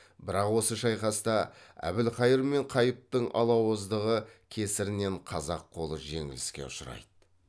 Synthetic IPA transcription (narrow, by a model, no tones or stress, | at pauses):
bɪɾɑqwo̞səʃɑjqɑst̪ɑæ̰bɪlqʰɑjəɾme̞ɴqʰɑjəp̚t̪əɴʔɑ̰lˠɑwəzd̪əʁəkʲʰe̞sɪɾɪne̞ɴqʰɑzɑqʰːo̞lˠəʒe̞̰ŋɪlɪskʲe̞̰ʊʃəɾɑ̰jd̪ə